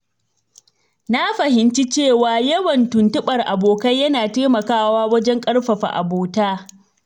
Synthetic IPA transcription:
na˦ɸɐ˨hɪ˨nt͡ʃi˦t͡ʃeː˦˨waː˨jɐ˦wɐ˨ntʊ˨ntʊ˦ɓɐ˨rʔa˨boː˨kɐ˦jjɐ˦naː˨teː˦mɐ˨kaː˦waː˦wɐ˦d͡ʒɛ˦ŋkʼɐ˦ɽɸɐ˨ɸa̰˨ʔa̰˨boː˨taː˦

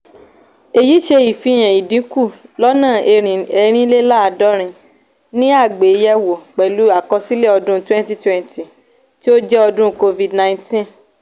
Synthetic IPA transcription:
e˨ji˨˦ʃe˧i˨fi˨˧˦j̃ɛ̃˨i˨dĩ˨˦ku˦˨lɔ˦nãː˦˨e˧ɾĩ˨ɛ˧ɾ̃ĩ˦le˦la˦a˧dɔ˦ɾ̃ĩ˧ | nĩ˦a˦˨ɡ͡be˨˦jɛ˧wo˨k͡pɛ˨lu˨˦a˦˨kɔ˧si˦le˦˨ɔ˧dũ˦twɛ̃˦n˦ti˦twɛ̃˦˨nti˨ | ti˦o˦d͡ʒɛ˦ɔ˧dũ˦ko˧vi˨dnã˧ĩ˦tĩ˦˨

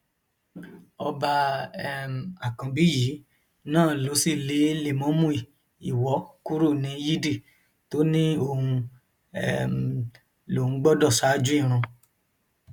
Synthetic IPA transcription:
ɔ˧ba˧ɛ˦m˨a˨kã˨bi˨˦ji˨˦ | nãː˦˨lo˨˦si˦˨le˨˦le˨mɔ̃˨˦mũ˦i˨ | i˨wɔ˨˦ku˦ɾo˦˨nĩ˨˧ji˦di˦˨ | to˨˦nĩ˦o˧hũ˧ | ɛ̰˦˨m˨ | lo˨hũ˧˦ɡ͡bɔ˦dɔ˦˨sa˨˦d͡ʒu˦i˦˨ɾ̃ũ˧

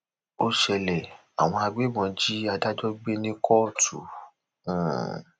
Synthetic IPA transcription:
o˦ʃɛ˧lɛ˨ | a̰˨w̃ɔ̃˧a˧ɡ͡be˦bɔ̃˧d͡ʒi˦a˧da˦d͡ʒɔ˦ɡ͡be˦nĩ˦kʰɔ˦˨tʰṵ̃˨

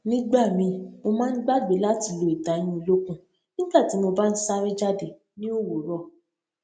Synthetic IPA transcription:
nĩ˦ɡ͡ba˦˨mĩ˧mo˧mãː˦n̩˦ɡ͡ba˦ɡ͡be˨˦la˦ti˧˨lo˨i˨da˨j̃ĩ˧o˧lo˦kũ˦ | ĩ˦ɡ͡ba˦˨ti˨˦mo˧ba˦n̩˦sa˦ɾi˦d͡ʒa˦de˨ | nĩ˦o˦˨wo˨ɾɔ˦˨

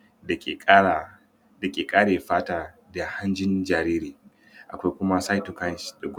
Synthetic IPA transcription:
da˨kːkː | da˨kʲʼeː˨kʼaː˦ɽeː˨ɸaː˦taː˦da˨ha˦nd͡ʒɪ˦nd͡ʒaː˨ɾiː˦ɾiː˨ | ʔa˨kʷa˦jkʷʊ˦ma˦sa˦jtu˨ka˦nʃda˨ɡʷʊ˦

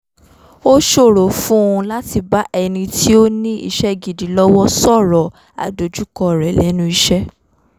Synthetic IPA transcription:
o˦ʃo˦˨ɾo˨fũ˦ũ˧la˦ti˧ba˦ʔɛ˧nĩ˧ti˦o˦nĩ˦ḭ˦˧ʃɛ˦ɡi˨di˨˦lɔ˦wɔ˦sɔ˦˨ɾɔ˨ | a̰˨do˨˦d͡ʒu˦kɔ˧ɾɛ˨lɛ˨˦nũ˦i˧ʃɛ˦

